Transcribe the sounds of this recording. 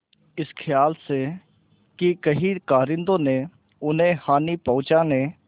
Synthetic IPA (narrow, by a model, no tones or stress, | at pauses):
ɪskʰɪjaːlse | kikəɦikaːɾɪ̃nd̪õːnẽ | ʊnɦẽhaːnipəʊ̃t͡ʃãːnẽː